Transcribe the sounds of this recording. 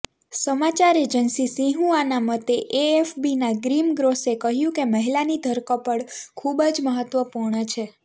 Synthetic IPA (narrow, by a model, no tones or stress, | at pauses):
səmat͡ʃaɾed͡ʒənsisĩɦũanamət̪eʔeːfbinaɡɾimɡɾosekəɦjũkeməɦilanid̪ʱəɾkəpəɳkʰubd͡ʒməɦət̪ʋəpuɾɳət͡ʃʰe